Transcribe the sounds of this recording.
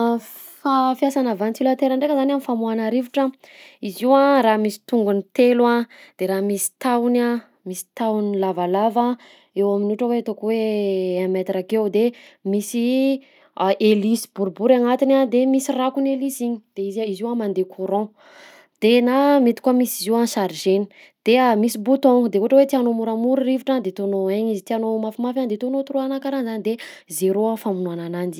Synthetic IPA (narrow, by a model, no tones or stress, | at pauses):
fafjasanavant͡silat̪eɾəɳɖ͡ʐekəzananifamuanaɾiviʈ͡ʂə | iziwãramisi̥t̪uŋɡunit̪elwãd̪̥eɾamisi̥t̪awna | misi̥t̪awnilavalava | ewaminuʈ͡ʂəwet̪okweamat̪irakewd̪emisi | ʔelisi̥buɾbuɾaŋat̪inad̪emisirakunelisiɲi̥d̪̥eiziziwamand̪ekʰuɾɔ̃ | d̪̥enamet̪i̥kamisiziwãsaɾʒeni̥ | d̪̥emisibut̪ɔ̃ŋd̪ekuʈ͡ʂəwet̪ianomuɾamuɾuriviʈ͡ʂad̪et̪onoaɲizit̪ianomafimafand̪et̪onot̪uɾoanakaɾanzanid̪e | zeɾoafamunuananani